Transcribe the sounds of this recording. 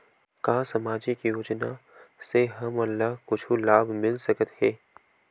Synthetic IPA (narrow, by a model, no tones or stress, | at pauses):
kaːsɐmaːd͡ʒikjoːd͡ʒnaseɦɐmɐlːaɦkʊt͡ʃʰulaːbʱmɪlsɐkət̪ɦɛː